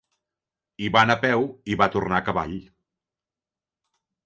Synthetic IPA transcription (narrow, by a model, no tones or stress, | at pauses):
iβanapɛwiβat̪urnakəβa̰ʎ